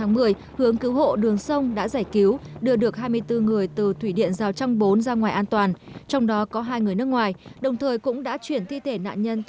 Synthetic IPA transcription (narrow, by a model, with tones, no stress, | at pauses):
aː˨˦ŋmɨ˨˩əj | hɨ˨˦əŋkɨ˨˦wɦo̰˧˨ɗɨ˨˩əŋsə˧wŋ͡mɗa̰ː˧˥zaː˧˩jki˨˦wɗɨ˧əɗɨ˨˩ək̚ɦaː˧jmɨ˧əjt̪ɨ˧ŋɨ˨˩əjt̪ɨ˨˩t̪ʰwi˧˩ɗḭ˧˨ənzaː˨˩wt͡ɕa˧wŋ͡mɓo˨˦nzaː˧ŋwaː˨˩jʔaː˧nt̪waː˨˩nt͡ɕɔ˧wŋ͡mɗɔ˨˦kɔ˨˦ɦaː˧jŋɨ˨˩əjnɨ˦˥ək̚ŋwaː˨˩jɗə˨˩wŋ͡mt̪ʰəː˨˩jkʊ̰˧˥ŋ͡mɗa̰ː˧˥t͡ɕwi˧˩ənt̪ʰi˧t̪ʰe˧˩na̰ː˧˨nɲə˧n